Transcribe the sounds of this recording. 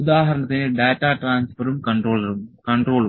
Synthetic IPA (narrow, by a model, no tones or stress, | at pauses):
ud̪aːɦɐɾɐɳɐt̪ːineɖaːtːaːʈraːnsfɐɾumkɐɳɖroːɭɐɾumkɐɳɖro̞ːɭ